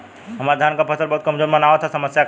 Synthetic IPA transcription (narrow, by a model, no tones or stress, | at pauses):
ɦəmaɾd̪ʱaːnkapʰəsʰəɾbɐɔɦut̪kəmzoːɾmənaʋet̪ʰasəməsja